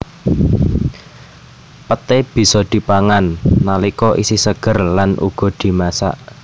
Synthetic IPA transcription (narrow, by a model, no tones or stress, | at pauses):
pət̪eb̥i̤sɔd̪̥i̤paŋanːalikɔʔisisəɡ̥ərlanʔṵɡ̥ɔ̤d̪̥i̤masa̰ʔ